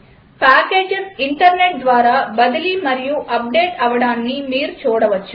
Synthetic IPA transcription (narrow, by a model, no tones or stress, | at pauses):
paːkeːd͡ʒɪsɪɳʈɐɾneʈ̚d̪ʋaːɾaːbɐðɪlimɐɾɪjuʔɐp̚ɖeːʈɐʋɐɽaːnːimiːɾt͡ʃoːɽɐʋɐt͡ʃːu